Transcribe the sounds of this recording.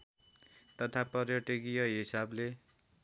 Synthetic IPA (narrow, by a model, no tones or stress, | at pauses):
t̪ʌt̪ʰapʌrjʌʈiɡijʌɦisable